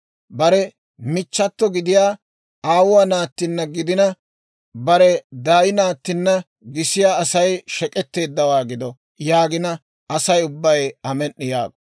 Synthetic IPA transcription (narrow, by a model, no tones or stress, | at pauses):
bɐɾɛ | mɪt͡ʃːɐt̪ːɔɡɪd̪ɪjaː | aːwʊwɐnaːt̪ːɪnːɐɡɪd̪ɪnɐ | bɐɾɛd̪aːjɪnaːt̪ːɪnːɐ | ɡɪsɪjaːɐsɐjʃɛkʼɛt̪ːe̞ːd̪ːɐwaːɡɪd̪ɔ | jaːɡɪnɐ | ɐsɐjʊbːɐjɐmɛnːɪja̰ːɡɔ̥